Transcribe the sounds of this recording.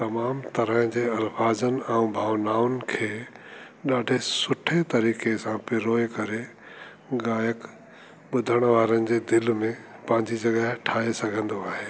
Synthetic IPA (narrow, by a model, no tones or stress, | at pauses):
t̪ɐmaːmt̪ɐɾəɦd͡ʑeːɐlfaːd͡ʑənɪ̆ɛ̃ũbʱaːʋnaːʊnɪ̆kʰeː | ɗaːɖʱesʊʈʰet̪ɐɾiːkesãpɪɾoːekɐɾe | ɠaːjək | ɓʊd̪ʱəɽ̃ʋaːɾənɪ̆d͡ʑeːd̪ɪlmẽpɐ̃ɦɪ̃ɲd͡ʑid͡ʑɐɡəɦʈʰaːesɐɡʱə̃nd̪oaːɦeː